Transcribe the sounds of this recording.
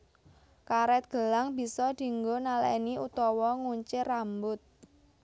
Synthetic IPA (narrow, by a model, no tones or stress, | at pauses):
kaɾɛt̪̚ɡ̥ə̤laŋbi̤sɔd̪̥i̤ŋɡonalaniut̪ɔwɔŋuɲt͡ʃɪrambʊt̪̚